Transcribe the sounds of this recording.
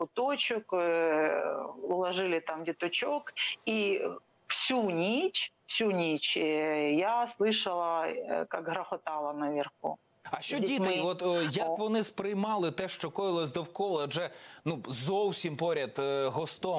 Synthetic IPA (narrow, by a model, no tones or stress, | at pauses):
ʊt̪ot͡ʃʊk | ʊlˠɐʐɪlʲɪt̪amdʲɪt̪ʊt͡ʃoki | fsʲunʲit͡ʃfsʲunʲit͡ʃjaslˠɨʂɐlˠɐkakɦɾɐxɔt̪ɑlˠɐnɐʋʲɪrxṵ | ɐʃt͡ʃɔit̪ɪjɔt̪jɐkʋɔnɪspɾɪjmɑlˠɪt̪ɛʃt͡ʃɔkɔjɪlˠɔsʲd̪ɔwkɔlˠɐɐʒɛnuzɔwsʲimpɔɾʲɐt̪ɦɔst̪ɔ